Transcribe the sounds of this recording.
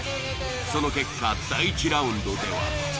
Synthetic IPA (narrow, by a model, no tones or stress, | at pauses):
sonokekʰːad̪ait͡ɕiɾaɯ̃nd̪od̪ewa̰